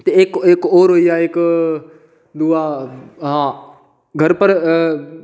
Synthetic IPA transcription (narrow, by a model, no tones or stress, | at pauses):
t̪eeːkekoːɾɦoiaːek | d̪uaːɦãː | ɡʱɐɾpɐɾ